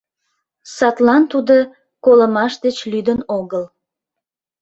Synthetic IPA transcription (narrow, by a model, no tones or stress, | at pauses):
sɑt̪lɑnt̪ud̪o | koləmɑʃd̪et͡ɕlyd̪ənoɣəl